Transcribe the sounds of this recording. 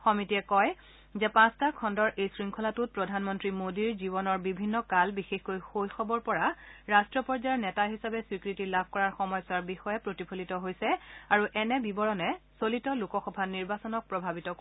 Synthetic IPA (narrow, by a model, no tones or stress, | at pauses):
xɔmitiɛkɔj | zɛpãstakʰɔndɔɹʔejsɹiŋkʰɔlatut̚pɹɔdʱanmɔntɹimodiɹzibɔnɔɹbibʱinːɔkalbixexkojxojxɔbɔɹpɔɹaɹastɹɔpɔɹzajɛɹnɛtaɦisabɛswikɹitilabʱkɔɹaɹxɔmɔjsaɹbixɔjɛpɹotipʰolitɔɦojsɛaɹuʔɛnɛbibɔɹɔnɛsolitɔlukɔxɔbʱaniɹbasɔnɔk̚pɹɔbʱabitɔk